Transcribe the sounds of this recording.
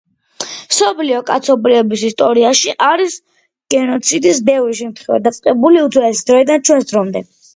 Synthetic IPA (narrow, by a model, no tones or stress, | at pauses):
sɔpʰliɔkʼat̪sʰɔbɾiɛbisist̪ʼɔɾiaʃiʔaɾis | ɡ̥ɛnɔt̪sʰid̪is̬bɛvɾiʃ̬ɛmt̪ʰχɛva̰d̪at̪sʼqʼɛbuliud̪zwlɛsi̥d̪ɾɔid̪ant͡ʃʰwɛnsd̪ɾɔmd̪ɛ